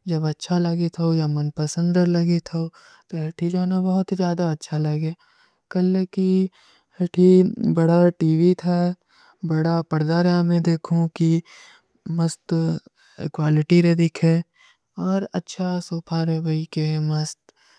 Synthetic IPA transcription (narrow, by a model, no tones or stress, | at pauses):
d͡ʒɐbɐtːʃʰalɐɡet̪ʰoojamɐnpəsə̃nd̪əɾlɐɡet̪ʰo | t̪oɦɐʈʰid͡ʒaːnabɐɦʊt̪zjaːd̪aɐtːʃʰalɐɡe | kɐlki | hɐʈʰibɐɽaʈiːʋit̪ʰa | bɐɽapɐɾd̪aɾaːmẽd̪eːkʰũki | məst̪ | ɪ̰kwaːlɪʈiɾed̪ɪkʰɦɛ | ɔːɾɐ̰tːʃʰasoːpʰaɾɛbʱɐikemɐst̪